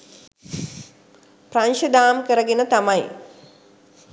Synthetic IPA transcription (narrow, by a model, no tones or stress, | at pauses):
praɲʃəd̪aːmkəɾəɡenət̪amaj